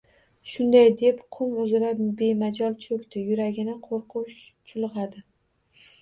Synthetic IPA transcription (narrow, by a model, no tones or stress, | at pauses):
ʃʊnd̪ajd̪e̞pqʰʊmʊzɾabe̞mad͡ʒɒlˠt͡ʃʰɵkʲt̪ɪjʊɾaɡʲɪnɪqʰoɾqʰʊwʃt͡ʃʰʊlˠʁɑd̪ɪ